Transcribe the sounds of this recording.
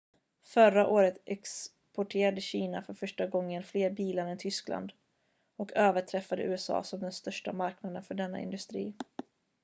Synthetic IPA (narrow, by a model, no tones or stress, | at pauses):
fœɾaʔoːɾət̪ʔɛks | pɔʈʰeːɾad̪əɕiːnafœɾfœʂʈaɡɔŋːənfleːɾbiːlaɾɛnt̪ʰʏskla̰nd̪ | ɔkʰøːvəʈʰɾɛfːad̪ə̰ʔʉ̟ːɛsɑ̰ːsɔmd̪ɛnst̪œʂʈa̰maɾknad̪ənfœɖɛnːa̰ʔɪ̰nd̪ɵst̪ɾiː